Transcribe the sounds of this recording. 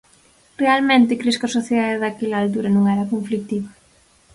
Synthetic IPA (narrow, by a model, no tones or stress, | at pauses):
realmẽnt̪ɪkɾeskɐsoθjeðaðɪðakelaːlt̪̬uɾɐnũŋɛɾɐkoɱflik̚t̪iβɐ